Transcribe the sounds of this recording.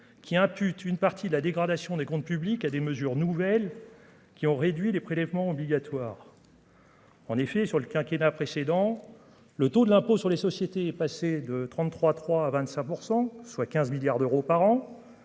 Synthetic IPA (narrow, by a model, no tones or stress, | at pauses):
kʲiɛ̃pyt̪ʰynpaʁt̪ʰid̪əlad̪eɡʁad̪asjɔ̃d̪ekɔ̃t̪̚pyblikad̪eməzyʁnuvɛl | kʲiɔ̃ʁed̪ɥilepχelɛvmɑ̃ɔbliɡʲat̪waːʁ | ɑ̃nefɛsyʁləkʲɛ̃kʲenapχesed̪ɑ̃ | lət̪od̪əlɛ̃posyʁlesɔsjet̪eɛpased̪ət̪χɑ̃t̪t̪ːχwat̪χwaːvɛ̃t̪sɛ̃puʁsɑ̃swakʲɛ̃zmiljaʁd̪øʁopaʁɑ̃